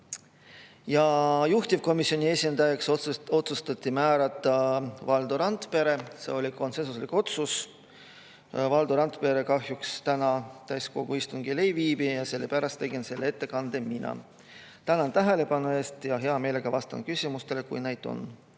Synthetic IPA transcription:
jɑjuht̪ʲivko̞misio̞nie̞sʲind̪̥ɑjɑkso̞t̪sust̪ɑt̪ʲːimæːɾɑt̪ˑːɑvɑld̪̥uɾɑnt̪pe̞ɾe̞se̞̰o̞lʲiko̞nse̞nsuslikˑo̞t̪sus | vɑld̪uɾɑnt̪ˑpe̞ɾe̞kɑɦjukst̪ænɑt̪æjsko̞ɡuist̪uŋɡ̥ile̞jviːbijɑse̞lːepæɾɑst̪ːe̞ɡ̥inse̞lːee̞t̪ːekɑnd̪̥e̞minɑ̰ | t̪ænɑnt̪æɦele̞pɑnue̞ːst̪jɑɦe̞ɑmeːle̞ɡ̥ɑvɑst̪ɑ̰nkysʲimust̪e̞le̞kṵjne̞jd̪o̞̰n

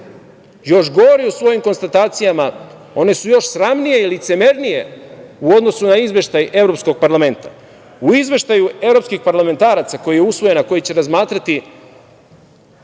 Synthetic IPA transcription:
jo̞ʃɡo̞ʋoɾiusʋo̞jimko̞nst̪at̪aːt̪sijama | o̞ne̞sujo̞ʃsɾamnijeilit̪se̞me̞ɾnije̞uo̞d̪no̞sunaizʋʲe̞ʃt̪ajʔe̞vɾo̞psko̞ɡ̚paɾlˠame̞nt̪a | uizʋe̞ʃt̪ajue̞vɾo̞pskixpaɾlame̞nt̪aːɾat̪sako̞jijeusʋo̞je̞nako̞jit͡ɕe̞ɾazmaːt̪ɾat̪i

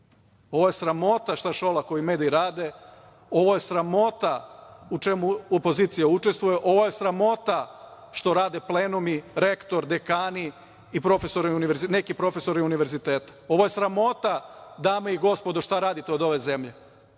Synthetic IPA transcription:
o̞ʋoje̞sɾamo̞t̪aʃt̪aʃolako̞jimeːd̪iɾaːd̪e̞ | o̞ʋoje̞sɾamo̞t̪aut͡ʃe̞muopo̞ziːt̪sijaut͡ʃest̪ʋujeʔo̞ʋoje̞sɾamo̞t̪a | ʃt̪o̞ɾaːd̪epleːnumiɾe̞kt̪o̞ɾd̪ekaːni | ipɾo̞fe̞soɾɛuniʋeɾzine̞kipɾo̞fe̞so̞ɾɛuniʋe̞ɾzit̪eːt̪ḁo̞ʋojesɾamo̞t̪ad̪aːmeiɡo̞spo̞d̪oʃt̪aɾaːd̪it̪eo̞d̪o̞ʋe̞ze̞mʎe̞

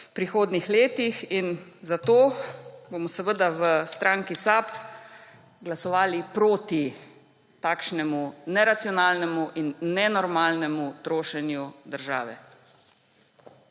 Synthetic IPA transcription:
pɾixoːd̪nixleːt̪ixinzat̪oːbomɔsɛʋəd̪aʋəst̪ɾʔaːŋkisaːp | ɡlasɔʋaːlipɾoːt̪i | t̪aːkʃnɛmunɛɾat̪sijɔnaːlnɛmuʔinːɛnɔɾmaːlnɛmut̪ɾoːʃɛnjud̪əɾʒa̰ːʋɛ̰

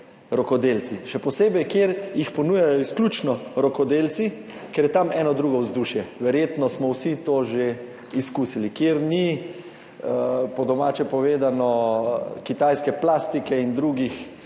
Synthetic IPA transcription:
ɾɔkɔd̪eːlt̪siʃɛpɔseːbɛjkjeːɾjixpɔnuːjajɔisklʲuːt͡ʃnɔɾɔkɔd̪eːlt̪si | kɛɾjɛt̪amɛːnɔd̪ɾuːɡɔwzd̪uːʃjɛʋɛɾjeːt̪nɔsmɔwsit̪oːʒe | iskuːsilikjeɾni | pɔd̪ɔmaːt͡ʃɛpɔʋeːd̪anɔ | kit̪ajskɛplaːst̪ikɛind̪ɾuːɡix

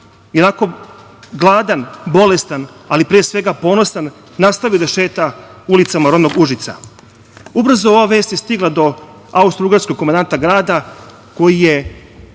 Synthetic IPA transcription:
jenako̞ | ɡlˠaːd̪anbo̞le̞st̪analipɾeːsʋe̞ɡapo̞ːno̞sanː | ast̪aʋioɾeʃeːt̪aulit̪samaɾo̞d̪no̞ɡuʒit̪sa̰ | ubr̩zoo̞ʋaʋe̞ːst̪jest̪iɡlˠad̪o̞ | aust̪ɾuɡaɾskoɡkːomand̪ant̪aɡɾaːd̪a | ko̞jije

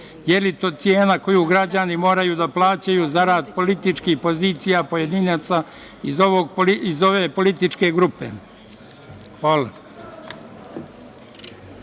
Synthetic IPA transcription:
jelit̪oːt̪sje̞ːnako̞juːɡɾad͡ʑanimo̞ːɾajuːd̪aplˠaːt͡ɕajuːzaɾaːd̪po̞lit̪it͡ʃkihpo̞ziːt̪sijapo̞je̞d̪inaːt̪sa | izoʋoɡiizo̞ʋe̞ːpo̞lit̪it͡ʃke̞ɡɾupḛ | xʋaːla

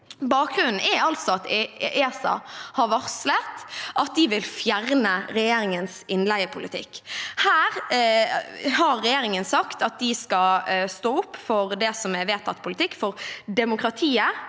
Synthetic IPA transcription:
bɑːk̚ɡ̥ʁʉnn̩ɛɾɑlt̪sɔɑt̪eːsɑ̰hɑɾʋɑʁslət̪ʔɑt̪̚d̪ɪʋɪlfjæʁnəɾɛjeːɾɪŋənsɪnlæɪəpʰʊlɪ̰t̪ʰɪ̰kːhæːʁ | hɑɾːɛjeːɾɪŋənsɑkt̪ɑt̪̚d̪ɪskɑst̪oːʊpːfɔɾd̪ɛsɔmɛʋeːt̪ʰːɑt̪ːpʰʊlɪt̪ʰɪkːfɔɾd̪ɛmʊkɾɑt̪ʰiːə

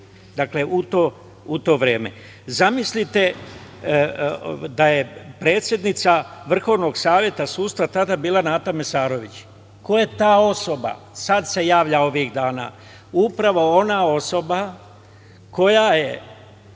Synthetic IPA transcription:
d̪akle̞ʔut̪o̞ | ut̪o̞ːʋɾeːme̞̰ | zamislit̪e̞ | d̪aje̞pɾe̞ːt̪sʲje̞d̪nit̪saʋr̩xo̞ʋno̞ɡsaːʋje̞t̪asuːst̪ɾat̪ad̪abilˠanaːt̪ame̞saːɾo̞ʋit͡ɕ | koje̞t̪aːo̞so̞ba̰ | sad̪se̞jaːʋʎao̞ʋiɣd̪aːna̰ː | upɾaʋo̞o̞naːo̞so̞ba | ko̞jaje

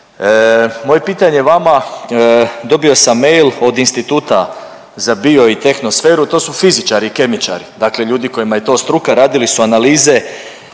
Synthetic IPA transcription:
mo̞je̞piːt̪aɲeʋama | d̪o̞bio̞samːe̞jlo̞d̪inst̪it̪uːt̪a | zabio̞it̪e̞xno̞sfe̞ːɾut̪o̞ːsufizit͡ʃaɾiːke̞mit͡ʃa̰ɾid̪akle̞ʎuːd̪iko̞jimaje̞t̪o̞ːst̪ɾukaɾaːd̪ilisuanaliːze̞

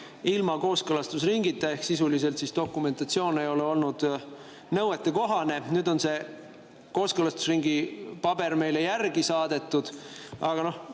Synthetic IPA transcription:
ilmɑko̞ːskɤlɑst̪usriŋɡit̪ːˑee̞hksisulis̬e̞lt̪sist̪o̞kːˑume̞nt̪ɑt̪sio̞ːne̞jo̞leo̞lnud̪̥ | nɤwe̞t̪ːˑeko̞ɦɑne̞nyːd̪o̞nse̞ | ko̞ːskɤlɑst̪u̥sriŋɡipɑbe̞ɾme̞jle̞jærɡ̥isɑːd̪̥e̞t̪ːˑud̪̥ɑɡ̥ɑno̞h

